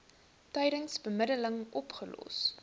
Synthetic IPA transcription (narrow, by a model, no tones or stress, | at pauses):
tœjɾəŋsbəmədələŋɔpχəlɔ̰s